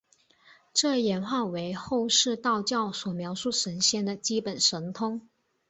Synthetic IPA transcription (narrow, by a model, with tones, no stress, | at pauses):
ʈ͡ʂɤ˥˩jɛ˧˥nxwa˥˩we˧˥ɪxo˥˧ʊʂɻ̩˥˧t̪ɑ˥˧ʊt͡ɕjɑ˥˩ʊswɔ˨˩mjɑ˧˥ʊʂu˥˩ʂə˧˥nɕjɛ˥nd̪ə˨t͡ɕi˥pə˨˩nʂə˧˥nt̪ʰʊ˥ŋ